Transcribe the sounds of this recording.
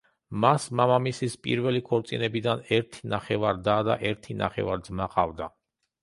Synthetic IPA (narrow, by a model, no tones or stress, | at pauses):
masmamamisispʼḭɾvɛlikʰɔɾt̪sʼḭnɛbid̪anɛɾt̪ʰinaχɛvaɾd̪ad̪a̰ʔɛɾt̪ʰina̰χɛ̰vaɾd̪zmaqʼavd̪a